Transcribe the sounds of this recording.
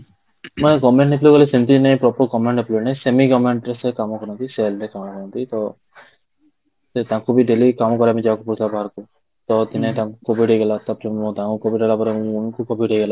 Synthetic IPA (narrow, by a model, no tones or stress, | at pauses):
mɔeɡɔmẽɳʈniplokɔlisent̪inej̃pɾɔpɔɾkɔmeɳʈɖeplonẽsemiɡɔmeɳʈɾesekamɔkɔɾɔnt̪iselɾekamɔkɔɾɔnt̪it̪ɔ | set̪ãkʰubiɖelikamɔkɔɾamĩd͡ʒaakupuɾʰlabaɦaɾku | t̪ɔt̪inet̪ãkukobʱiɖʱeɡelat̪ɔbt͡ʃɔmũt̪ãkukɔbiɖelapɔɾeunkukɔbiɖʱejɡela